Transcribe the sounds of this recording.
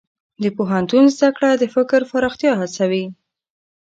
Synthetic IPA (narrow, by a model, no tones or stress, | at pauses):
d̪əpoɦant̪unzd̪akɽad̪əfɪkɾfaɾɑxt̪jɑɦat͡sawi